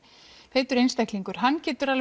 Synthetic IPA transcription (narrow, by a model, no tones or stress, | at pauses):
feːt̪ʏɾejnst̪ahkliŋkʏɾ̥ɦanːcɛːt̪ʏɾal